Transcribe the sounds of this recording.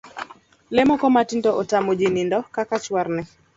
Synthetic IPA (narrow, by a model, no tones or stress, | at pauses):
lɛmɔkɔmatindɔʔɔtamod͡ʒinindɔkakat͡ʃwarnɛ